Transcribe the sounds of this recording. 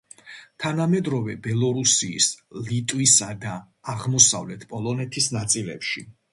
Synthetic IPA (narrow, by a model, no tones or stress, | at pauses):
t̪ʰanamɛd̪ɾɔvɛbɛlˠɔɾusiːslit̪ʼwisad̪aː | ʁmɔsa̰vlɛt̪ʰpʼɔlˠɔnɛt̪ʰisnat̪sʼilɛ̰pʃi